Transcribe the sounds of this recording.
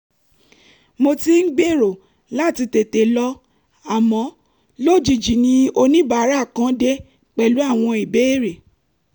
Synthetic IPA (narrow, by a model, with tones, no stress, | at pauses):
mo˧ti˦n̩˦ɡ͡be˦˨ɾo˨ | la˦˨ti˧te˨te˨lɔ˧ | a˨mɔ̃˨˦ | lo˦˨d͡ʒi˨d͡ʒi˨nĩ˧˦o˧nĩ˦ba˨˦ɾa˦˨kã˨˦de˦ | k͡pɛ˨lu˨˦a˦˨w̃ɔ̃˧i˨be˨˦e˦˨ɾe˨